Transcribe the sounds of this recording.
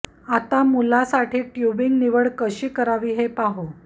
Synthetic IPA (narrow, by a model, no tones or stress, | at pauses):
at̪amulasaʈiːʈjubiŋɡniʋəɭkəɕiːkəɾaʋiːɦepaɦo